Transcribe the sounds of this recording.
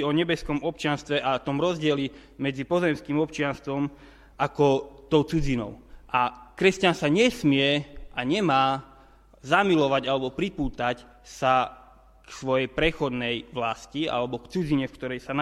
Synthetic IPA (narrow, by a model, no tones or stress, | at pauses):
ɔɲɛbɛskɔmɔpt͡ʃɪanst̪ʋɛʔat̪ɔmɾɔzɟɪɛli | mɛd͡zipɔzɛmskimɔp̚t͡ʃɪanst̪ʋɔm | ʔakɔt̪ɔʊt͡sud͡zinɔ̰ʊʔakɾɛscansaɲɛsmɪɛʔaɲɛmaː | zamilɔʋaɟalɛbɔpɾipuːt̪ac | sa | ksʋɔjɛjpɾɛxɔd̪nɛjʋlascia̰lɛbɔkt͡sud͡ziɲɛfkt̪ɔɾɛjsan